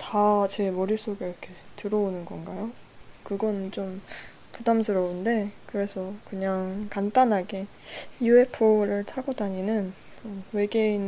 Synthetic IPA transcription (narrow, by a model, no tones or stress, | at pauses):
tat͡ɕe̞mʌɾiɭs͈oɡeiɾʌkʰe̞tɯɾʌonɯnɡʌnɡajo | kɯɡʌnt͡ɕom | pudamsʰɯɾʌunde̞kɯɾe̞sʰʌkɯɲaŋkant͈anɦaɡe̞ | jue̞pʰoɾɯɭtʰaɡodaɲinɯn | t͡ɕomwe̞ɡe̞in